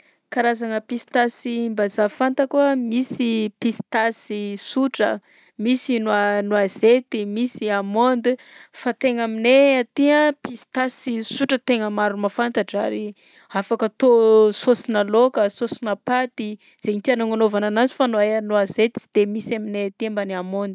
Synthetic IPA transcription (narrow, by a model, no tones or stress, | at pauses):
kaɾazaŋəpisi̥t̪asimbazafant̪akuəmisipist̪asisuʈ͡ʂə̰ | misinwanwazet̪imisiamond̪i | fat̪eŋamineat̪iəpist̪asisuʈ͡ʂət̪eŋəmaɾumafant̪aʈ͡ʂa̰ɾi | afakət̪ososinalokəsosinəpat̪i | z̥eɲit̪ianoŋanovananazifanaeanuazet̪i̥d̪̥emisaminet̪embaniamond̪i